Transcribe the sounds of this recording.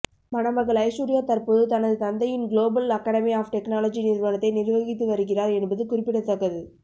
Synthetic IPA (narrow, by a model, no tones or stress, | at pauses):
mɐnɐmɐɣɐɭɐɪsuːɾɪjaːt̪ɐɾpoːðɯt̪ɐnɐðɯt̪ɐnd̪ɐjɪnɡloːbɐlɐkːɐːɽɐmiaːfʈɛknaːlɐd͡ʒinɪɾʋɐnɐt̪ːɐɪnɪɾʋɐɣɪt̪ːɯʋɐɾɯkɪraːɾɛnbɐðɯkʊrɪpːɪɽɐt̪ːɐkːɐðɯ